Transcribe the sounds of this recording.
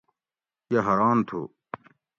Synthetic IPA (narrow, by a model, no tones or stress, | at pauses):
jɐɦɐɾaːnt̪ʰo̰ː